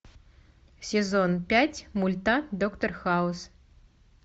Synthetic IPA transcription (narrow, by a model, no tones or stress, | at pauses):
sʲezonpʲætʲmulʲt̪ad̪okt̪orxaus